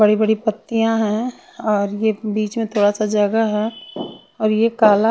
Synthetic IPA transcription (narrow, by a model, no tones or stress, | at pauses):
bəɽibəɽipət̪ːijãɦɛ̃ | ɔːɾjebiːt͡ʃmẽt̪ʰoːɽasad͡ʒɐɡəɦɛ | ɔːɾjekaːla